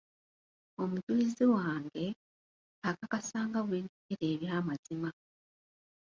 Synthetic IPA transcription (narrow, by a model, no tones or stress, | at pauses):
o̞mutwiːziwaːŋɡe̞ | akakasaːŋɡaβweːnduɡeɾe̞ːβjaːmazima